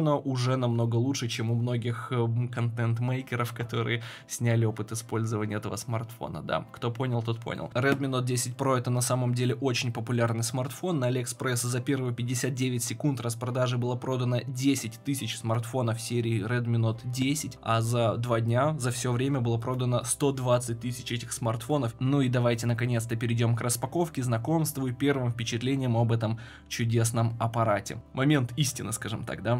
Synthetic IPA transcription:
nəʔʊʐɛnɐmno̞ɡəlˠuʂɨt͡ɕemʊmno̞ɡʲɪxkɐnt̪ɛnt̪mejkʲɪɾəfkɐt̪o̞ɾɨ̰jəsʲnʲælʲɪo̞pɨt̪ɨɪspo̞lʲzəvənʲɪəɛt̪əvəsmɐrt̪fo̰nə̰d̪a̰kt̪o̞po̞nʲɪlˠt̪ot̪̚pʰo̰nʲɪ̰lˠrɛd̪̚mʲɪnot̪̚dʲesʲɪt̚ʲpɾo̞ɛt̪ənɐsaməmdʲelʲɪʔo̞t͡ɕɪnʲpəpʊlʲarnɨjsmɐrt̪fo̞nːalʲɛkspɾɛszɐpʲe̞rvɨjpʲɪdʲɪsʲat̪̚dʲevʲɪtʲsʲɪkunt̪rəspɾɐd̪aʐɨbɨlˠapɾo̞d̪ənədʲesʲɪtʲt̪ɨsʲɪt͡ɕsmɐrt̪fo̞nəfsʲeɾʲɪːrɛd̪mʲɪnut̪dʲesʲɪtʲa̰zɐd̪vadʲnʲazɐfsʲɪovɾʲemʲəbɨlˠəpɾo̞d̪ənəst̪o̞d̪vat̪sɨt̚ʲt̪ɨsʲɪ̥t͡ɕɛtʲɪxsmɐrt̪fo̞nəfnuid̪ɐvajtʲɪnəkɐnʲe̞t̪st̪əpʲɪɾʲɪdʲo̞mkrəspɐko̞fkʲɪznɐko̞mst̪vʊipʲe̞rvɨmfʲpʲɪt͡ɕɪt̪lʲenʲɪjəmɐbɛt̪əm | t͡ɕʊdʲe̞snəmɐpɐɾatʲɪ̰mʔɐmʲe̞nt̪isʲtʲɪnɨskaʐɨmt̪a̰k̚d̪a

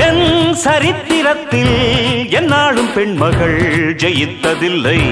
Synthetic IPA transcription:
ɛnsɐɾɪt̪ːɪɾɐt̪ːɪlɛnːaːɭɯmpɛɳmɐɣɐɭd͡ʒɛjɪt̪ːɐðɪlːɐɪ

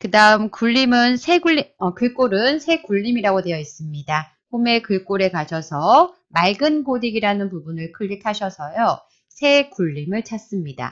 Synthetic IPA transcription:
kɯdaɯmkuʎːimɯnsʰe̞ɡuiʌkɯɭk͈oɾɯnsʰe̞kuɭːimiɾaɡode̞jʌis͈ɯmɲida | ɸome̞kɯɭk͈oɾe̞kaɕʰʌsʰʌ | maɭɡɯnɡodiɡiɾanɯnpubunɯɭkʰɯɭːitʰaɕʰʌsʰʌjo | sʰe̞kuʎːimɯɭt͡ɕʰas͈ɯmɲida̰

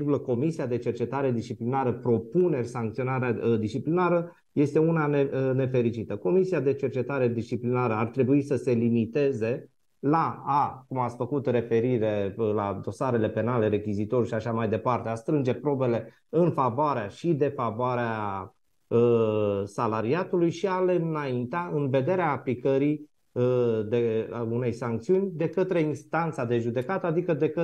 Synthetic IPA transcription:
ɡuləko̞misiad̪e̞t͡ʃe̞rt͡ʃe̞t̪aɾe̞d̪ist͡ʃiplinaɾəpɾo̞pune̞rʲsaŋk̚t̪sio̞naɾead̪ist͡ʃiplinaɾə | je̞st̪e̞unaene̞fe̞ɾit͡ʃit̪əko̞misiad̪e̞t͡ʃe̞rt͡ʃe̞t̪aɾe̞d̪ist͡ʃiplinaɾəart̪ɾe̞buisəse̞limit̪e̞ze̞ | laːkumat̪sʲfəkut̪re̞fe̞ɾiɾe̞lad̪o̞saɾe̞le̞pe̞nale̞ɾe̞kʲizit̪o̞ɾuʃiaʃamajd̪e̞part̪e̞ast̪ɾɨnd͡ʒe̞pɾo̞be̞le̞ | ɨnfavoaɾeaʃid̪e̞favoaɾea | əsalaɾiat̪ulujʃiale̞ɨnaint̪aɨnve̞d̪e̞ɾeaːplikəɾi | əd̪e̞une̞jsaŋk̚t̪siunʲd̪e̞kət̪ɾe̞inst̪ant̪sad̪e̞ʒud̪e̞kat̪əad̪ikəd̪e̞kə

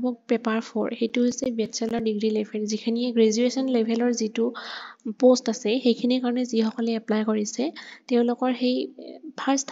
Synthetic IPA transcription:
bɔk̚pɛpaɹpʰɔ̰ɹxejtʊɦojsɛbɛdsɛlɔɹdiɡɹilɛbʱɛlzikʰiniɛɡɹezuesɔnlɛbʱɛlɔɹzitʊpostasɛxejkʰinikaɹɔnɛzixɔkɔlɛɛplajkoɹisɛteʊ̃lʊkɔɹxejpʰaɹstʰ

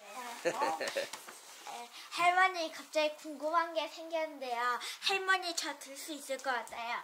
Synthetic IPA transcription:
eheɭwʌɲikap̚t͡ɕ͈aikuŋɡubɦanɡe̞sʰe̞ŋɡjʌnɯnde̞joheɭmʌɲit͡ɕʌtɯɭs͈uis͈ɯɭk͈ʌk͈at̚tʰajo

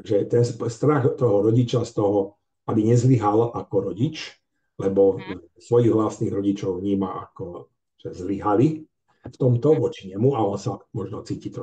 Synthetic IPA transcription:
aʒɛt̪ɛnspst̪ɾaɣt̪ɔɦɔɾɔɟit͡ʃast̪ɔɦɔ | abiɲɛzliɦalʔakɔɾɔɟit͡ʃ | lɛbɔ | sʋɔjiɣʋlasniːɣɾɔɟit͡ʃɔʊvɲiːmaa̰kɔ | ʒ̥ɛzliɦali | ft̪ɔmt̪ɔʋɔt͡ʃiɲɛmuaɔnsamɔʒnɔt͡siːcit̪ɔ

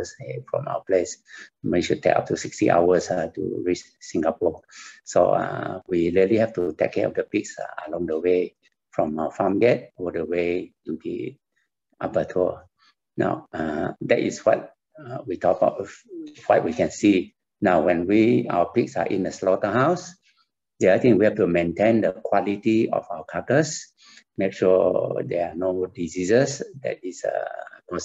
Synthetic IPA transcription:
sefɹɔ̰̃ma̰wəpleswiʃud̚tʰḛka̰p̚tusikstiʔa̰wəsatṵɹit͡ʃ | sĩŋɡapɔso̰a̰wiɹiəlihɛftutɛ̰kʰːɛɔ̰fdəpiksa̰əlɔ̃ŋdəwe | fɹɔ̃maəfãmɡɛt̚ɔdəwetubḭ | ʔapətʰu | na̰ʊadɛ̰tḭswɔ̰t̚ | witʰɔk̚ba̰ʊtwɔ̰t̚wikɛ̃nsi | naʊwɛ̃nwia̰wəpik̚sa̰ʔḭ̃ndəslɔtəhaws | deat̪ĩŋwihɛftumẽntẽndəkʰwɔlitiɔ̰fawəkʰakəs | mekʃuɔdɛ̰anodizizəsdɛ̰t̚isə̰pɔs

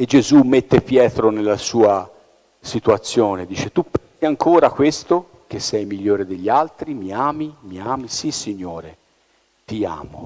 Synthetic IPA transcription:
ed͡ʒezumːet̪ːepjɛːt̪ɾonelːasuːa | sit̪uat̪sːjoːned̪iːt͡ʃet̪upːɛnsiaŋkʰoːɾakwest̪o | k̟esːɛjmiʎːoːɾed̪eʎːialt̪ɾimiaːmimiaːmisisːiɲːoːɾe | t̪ia̰ːmo̰

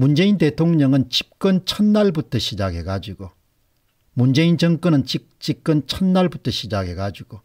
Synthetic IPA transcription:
mund͡ʑe̞inte̞tʰoŋɲʌŋɯnt͡ɕip̚k͈ɯnt͡ɕʰʌnːaɭbutʰʌɕʰid͡ʑaɡe̞ɡad͡ʑiɡ̥o | mund͡ʑe̞ind͡ʑʌŋk͈ʌnɯnt͡ɕi | t͡ɕ͈ip̚k͈ɯnt͡ɕʰʌnːaɭbutʰʌɕʰid͡ʑaɡe̞ɡad͡ʑiɡ̥o

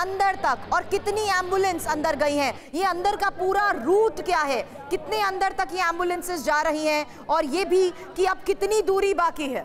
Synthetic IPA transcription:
ɐ̃nd̪əɾt̪ɐkɔːɾkɪt̪niɛ̃ːmbjʊlə̃nsɐ̃nd̪əɾɡɐiɦɛ̃ː | jeɐ̃nd̪əɾkapuːɾaɾuːʈkjaːɦɛː | kɪt̪neɐ̃nd̪əɾt̪ɐkjeɛ̃ːmbjʊlə̃nsɪzd͡ʒaːɾɐɦiɦɛ̃ | ɔːɾjeːbʱi | kiɐb̚kɪt̪nid̪uːɾibaːkiɦɛ̰ː

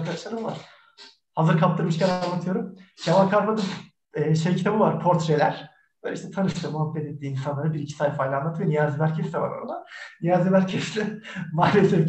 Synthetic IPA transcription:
ɾkʰad̪aʃlˠaɾɯmuva̰ɾ̥ | hazɯɾkʰap̚t̪ʰɯɾmɯʃcaɾanlːat̪ʰɯjo̞ɾumʃʰamankʰaɾpad̪ɯm | ɛːʃejct̪ʰemuvaɾpʰo̞ɾt̪ɾelʲæ̰ɾ̥ | b̥øːlʲɛʃt̪ʰɛt̪ʰanɯʃt̪ʰɯmuhapːɛt̪et̪̚ːiːinsanˠaɾɯbiɾicʰi̥saːjfajlʲanːˠat̪ʰɯjonijaːzɛmæɾcʰesd̪ɛva̰ɾo̰ɾad̪anijaːzɛmæɾcʰɛst̪ɛmaːlʲesɛf

